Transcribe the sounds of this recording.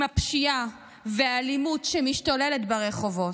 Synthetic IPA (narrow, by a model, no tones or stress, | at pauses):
apʃia | vealimutʃemiʃtoleletbaʁeχo̞vo̞